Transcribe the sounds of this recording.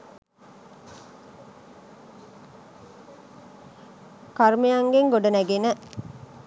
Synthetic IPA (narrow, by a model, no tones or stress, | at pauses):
kɐɾmejɐŋɡeŋɡoɖɐnæɡenə